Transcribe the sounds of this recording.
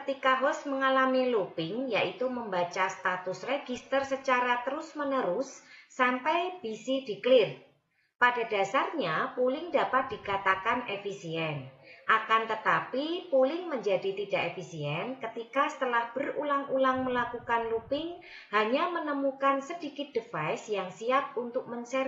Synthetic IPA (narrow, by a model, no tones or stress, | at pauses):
kət̪ikaɦɔsməŋalamilupɪŋjaʔit̪uməmbat͡ʃast̪at̪ʊsreɡist̪ərsət͡ʃaɾat̪əɾʊsmənəɾʊsːampajb̥isid̥iklɪr | padada̤sarɲapulɪŋdapat̪̚d̥ikat̪akanefisiɛnʔakant̪ət̪apipulɪŋməɲd͡ʒadit̪idaʔefisiɛnkət̪ikasə̥t̪əlahb̥ərulaŋulaŋməlakukanlupɪŋ | haɲamənəmukansədikɪt̪̚dəfajsjaŋsiap̪̚unt̪ʊk̚mənsɛr